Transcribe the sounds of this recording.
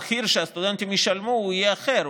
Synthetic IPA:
χiɾʃeast̪ud̪ent̪imjiʃalmuijeaχeɾ

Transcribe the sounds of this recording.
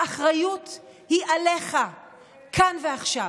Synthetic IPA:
aχʁajut | hiʔale̞χa | kʰanveaχʃa

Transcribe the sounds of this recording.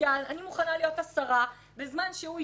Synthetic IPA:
ananimuχanalijo̞tasaʁa | bezmanʃeu

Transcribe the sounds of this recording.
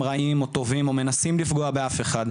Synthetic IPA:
ʁaʔimo̞t̪o̞vimo̞me̞nasimlifɡoabe̞afe̞χad̪

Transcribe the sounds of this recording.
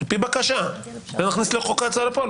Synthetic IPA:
lpibakaʃa | venaχnisliχokat͡salepol

